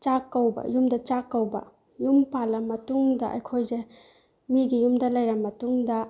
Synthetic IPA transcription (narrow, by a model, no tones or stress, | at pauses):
t͡ʃakːɐwbɐ̰jumdɐt͡ʃakːɐwbɐ̰ | jumpalɐmːɐtuŋdɐʔɐ̰jkʰojze | miɡijumdɐlɐjɾɐmːɐtuŋdɐ